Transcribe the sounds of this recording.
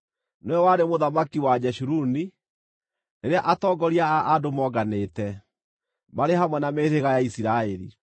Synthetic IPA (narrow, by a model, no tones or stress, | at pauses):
noɛwaɾemoðamakiwad͡ʑɛʃuɾuni | neɾeaʔatɔɡɔɾiaːdomɔɡanetɛ | maɾeɦamwɛnameðeɣajaisiɾaeɾḭ